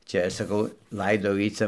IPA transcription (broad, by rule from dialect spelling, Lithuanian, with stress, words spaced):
ˈt͡ʃʲɛ sɐˈkɐʊ ˈlˠɐɪdɐʊ ˈjiː ˈt͡sɐ